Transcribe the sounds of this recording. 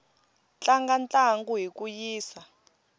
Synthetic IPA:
t͡ɬaŋɡant͡ɬʼaŋɡuɦikʼujiːsa

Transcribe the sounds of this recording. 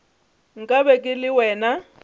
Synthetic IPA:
ŋ̩kʼabɛkʼɪlɪwɛːna

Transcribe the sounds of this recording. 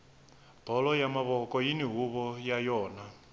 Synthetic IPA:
b̥ʱɔlɔjamaβɔkʼɔjiniɦuβɔjajɔːna

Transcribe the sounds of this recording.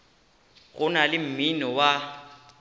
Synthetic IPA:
ɣʊnalɪm̩minɔwa

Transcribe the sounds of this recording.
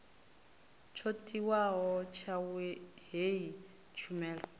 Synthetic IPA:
t͡ʃʰotʼiwaɦɔt͡ʃʰawɛɦei | t͡ʃʰumɛːlɔ

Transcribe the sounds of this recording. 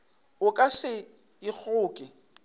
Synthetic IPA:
ʊkʼasɪ | ɪk͡xʰʊːkʼɪ

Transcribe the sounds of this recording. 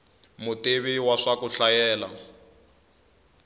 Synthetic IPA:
mʊteβiwaʂakuɬajɛːla̰

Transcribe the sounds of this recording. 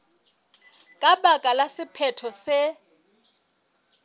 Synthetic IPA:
kʼaɓakʼalasɪpʰɛtʰɔsɛ

